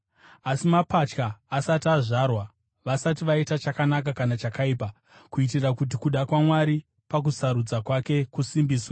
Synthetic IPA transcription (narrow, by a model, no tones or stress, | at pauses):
asimapat͡ʃkaːsatiaʐarwa | ʋasatiʋaitat͡ʃakanak̬akanat͡ʃakaiːpa | kuit̬irakut̬ikuɗakwamwaɾi | pak̬usaɾud͡zakwake̞kusimbiːswa